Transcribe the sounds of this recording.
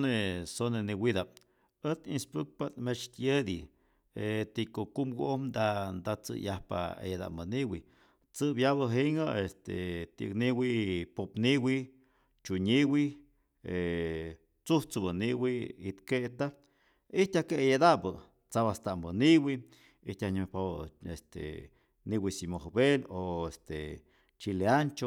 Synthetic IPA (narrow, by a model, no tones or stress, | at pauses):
nesoneniwid̪ap̚ | ət̪inspɨk̚pat̪met͡ʃt̪jed̪i | et̪ikokumɡo̰ʔomd̪and̪at͡sɨ̰jahpa̰ḛjed̪a̰ʔmbəniwḭ | t͡sɨbjaβəɦiŋaest̪ḛt̪ikniwipopniwi | t͡ʃuɲiwi | e | t͡suht͡sɨbəniwiit̪keʔt̪a | iht̪akejed̪aʔbə | t͡saβast̪aʔmbəniwi | it̪ʲaɲpaβest̪ḛ | niwisimohbeloest̪e | t͡ʃileant͡ʃo